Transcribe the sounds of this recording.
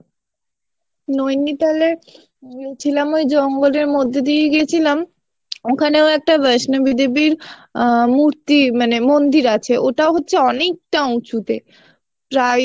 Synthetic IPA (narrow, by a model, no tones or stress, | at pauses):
nojnit̪ale | ɡeet͡ɕʰilamojd͡ʑɔŋɡoleɾmod̪ʱːed̪ieɡet͡ɕʰilam | okʰaneoɛk̚ʈabɛʃnobid̪ebiɾ | muɾt̪imanemond̪iɾat͡ɕʰeʔoʈaoɦotːɕʰeɔnek̚ʈaut͡ɕut̪e | pɾaj